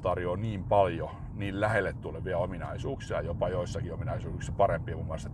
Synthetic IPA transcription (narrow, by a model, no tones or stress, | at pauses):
t̪ɑrjoniːmpɑljo | niːllæhelːet̪t̪ulːeʋʋiæominɑ̰isuːksiɑ̰jopɑjoisːɑkiominɑisuːksɑpɑɾempiemumːuɑlst̪ɑ